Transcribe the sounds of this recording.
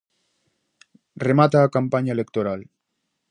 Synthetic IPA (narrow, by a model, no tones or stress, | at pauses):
remat̪aːkampaɲaelekt̪oɾal